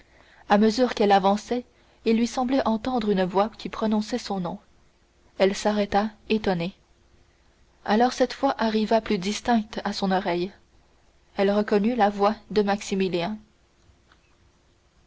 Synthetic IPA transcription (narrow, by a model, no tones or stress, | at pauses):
aməzyːʁkɛlavɑ̃sɛ | ilːɥisɑ̃blɛʔɑ̃t̪ɑ̃d̪ʁynəvwakʲipχɔnɔ̃sɛsɔ̃nɔ̃ | ɛlsaʁɛt̪aet̪ɔne | alɔːʁsɛt̪fwaʔaʁivaplyd̪ist̪ɛ̃k̚t̪asɔ̃nɔʁɛj | ɛlʁəkɔnylavwad̪əmaksimiljɛ̃